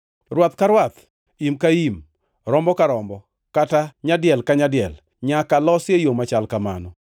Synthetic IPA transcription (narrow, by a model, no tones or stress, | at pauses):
rwat̪kaɾwat̪ | imkaim | ɾɔmbɔkaɾɔmbɔ | kataɲadɪɛlkaɲadɪɛl | ɲakalɔsjejomat͡ʃalkama̰nɔ